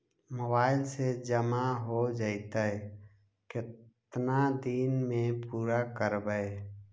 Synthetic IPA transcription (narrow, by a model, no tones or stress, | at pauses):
mobaːɪlsed͡ʒəmaɦod͡ʒaɪt̪ə | kɪtt̪nad̪iːnmẽpuːɾakəɾbəe